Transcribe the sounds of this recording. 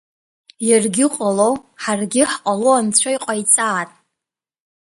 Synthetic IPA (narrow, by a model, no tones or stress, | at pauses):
jarɡʲɪqʼaloħarɡʲɪħqʼaloant͡ɕʷʰaiqʼajt͡sʼaːtʼ